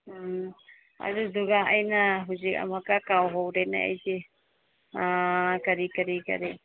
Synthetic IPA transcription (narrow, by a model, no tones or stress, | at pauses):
a̰ɾuduɡaajnaɦud͡ʒia̰makakawɦɔwɾɛna̰ʔɛ̰jd͡ʒi | akaɾikaɾika̰ɾi